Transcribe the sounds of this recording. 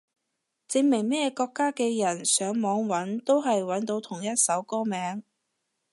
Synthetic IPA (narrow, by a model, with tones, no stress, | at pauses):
t͡sɪ˧ŋmɪ˨˩ŋmɛː˥jɛ˧kɔː˧kːaː˥kɛː˧jɐ˨˩nsœː˨˥ŋmɔː˨˥ŋwɐ˨˥nt̪o˥wɦɐ˨jwɐ˨˥nt̪o˧wt̪ʰʊ˨˩ŋjɐ˥t̚sɐ˨˥wkɔː˥mɛː˨˥ŋ